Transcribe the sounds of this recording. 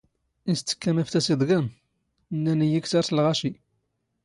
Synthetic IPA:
ist͡s̪ːə̥kːæmæft̪æsid̪ˤɡæm | nːænijiksaɾslʁaʃi

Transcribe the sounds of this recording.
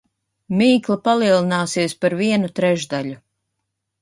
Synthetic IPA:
miːklˠapalˠiɛlˠinaːsiɛspaɾviɛnut̪ɾɛʒd̪aʎu

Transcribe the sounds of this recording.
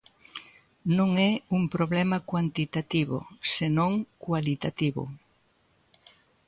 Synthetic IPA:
nõŋɛuŋpɾoβlɛmɐkwant̪it̪at̪iβʊ̰senõŋkwalit̪at̪iβʊ̰

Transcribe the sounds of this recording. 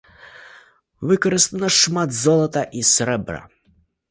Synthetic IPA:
ʋɪkɔɾɪst̪ɐnɐʃmɑt̪zɔlˠɔt̪ɐʔisɾɛbɾɐ̰

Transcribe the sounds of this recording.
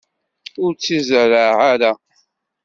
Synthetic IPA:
ʊɾt͡sːizəɾaʕʕaɾa

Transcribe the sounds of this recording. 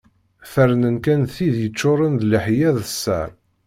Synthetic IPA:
fəɾnənkænθiðjət͡ʃːʊɾˤənd̪ləħjæðəsːæ̰ɾ

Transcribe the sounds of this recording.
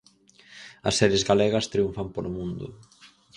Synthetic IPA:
ɐ̰sːɛɾjezɣalɛɣɐst̪ɾiuɱfampolomũnd̪ʊ̰

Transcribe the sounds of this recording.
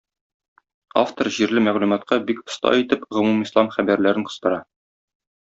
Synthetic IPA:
a̰ft̪oɾʑiɾlɘmæʁlʉmɑt̪̚qɑbikŏst̪ɑ̰it̪ɘpʁŏmumislˠɑmχæbæɾlæɾɘɴqŏ̥st̪ɤ̆ɾɑ

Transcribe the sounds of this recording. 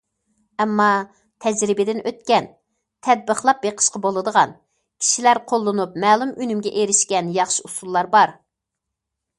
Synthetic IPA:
ɛmːɑ | t̪ʰɛd͡ʒɾɪbɪd̪ɪnʔøt̪̚kʲɛn | t̪ʰɛd̪̚bəχlˠɑp̚beqʰə̥ʃqɑbolˠɨd̪əʁɑn | kʲʰi̥ʃilæɾqʰolˠːɨnupmɛːlˠumynymɡʲɛʔeɾɪʃkʲɛnjɑχʃiusulˠːɑɾbɑɾ

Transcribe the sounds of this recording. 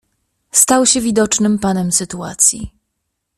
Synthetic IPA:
st̪awɕɛvʲid̪ɔt͡ʂnɘmpanɛmsɘt̪ua̰t̪sʲjḭ

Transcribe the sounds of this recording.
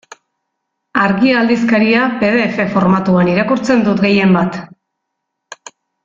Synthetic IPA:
aɾɣiald̪iskaɾiape̞ð̞e̞ːfe̞fo̞ɾmat̪uaniɾakuɾt͡se̞nd̪ut̪ɡe̞je̞mbat̪

